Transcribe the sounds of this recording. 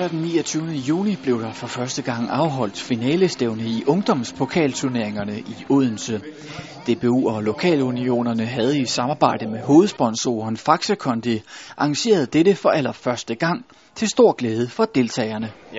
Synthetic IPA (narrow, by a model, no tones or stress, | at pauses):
æɐd̥enːiːɐt͡sʰyːʊnəjṵːnib̥le̝ʊd̥ɑ̈fɒ̽fɶɐsd̥əɡ̥ɑ̈ŋ̰ɑ̈ʊɦɒ̽l̰d̥finɛːləsd̥eʊnəiʔɔ̽ŋd̥ɒ̽m̰spʰo̝kʰɛ̰ːlt͡sʰyɐne̝ɐeŋɐnəʔiuðˠn̩sə | d̥e̝b̥euɒlo̝kʰɛ̰ːlunio̝̰ːnɐnəɦæð̞̩ˠi̥sɑ̈mɑ̈ːb̥ɑ̈ɪ̰d̥əmeɦo̝ːð̞̩ˠsb̥ɒ̽nso̝̰ɐnfɑ̈ɡ̥səkʰɒ̽nd̥eʔɑ̈ŋɕe̝̰ːɐð̞ˠd̥eɾəfɒ̽ʔælɐfɶɐsd̥əɡ̥ɑ̈ŋ̰ | t͡sʰe̝lsd̥o̝ɐ̰ɡ̥leːð̞ˠəfɒ̽d̥e̝lt͡sʰɛ̰ːɪɐnə